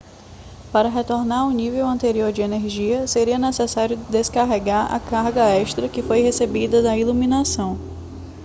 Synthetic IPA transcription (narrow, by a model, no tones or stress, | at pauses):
paɾɐɦet̪oɾnaɾʊ̃nivewɐ̃nt̪eɾioɾd͡ʒɪeneɾʒiɐseɾiɐnesesaɾjʊd̪eskaɦeɡaɾɐ̰kaɾɡɐɛʃt̪ɾɐkɪfojɦesebid̪ɐd̪ɐilumĩnasɐ̃w̃